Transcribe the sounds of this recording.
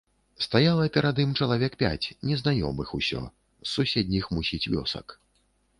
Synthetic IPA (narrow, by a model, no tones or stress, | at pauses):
st̪ajalˠɐpʲɛɾad̪imt͡ʂɐlˠavʲɛkpʲa̰t͡sʲnʲɛznajɔ̰mɨxusʲɔ̰ | sːusʲed̪ʲnʲixmusʲit͡sʲvʲɔ̰sɐ̰k